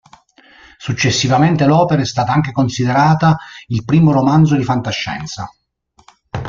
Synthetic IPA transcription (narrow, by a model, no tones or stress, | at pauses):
sut͡ʃːesːivament̪elɔːpeɾaɛst̪aːt̪aaŋk̟ekonsid̪eɾaːt̪ailpɾiːmoɾomand̪zod̪ifant̪aʃːɛ̰nt̪sa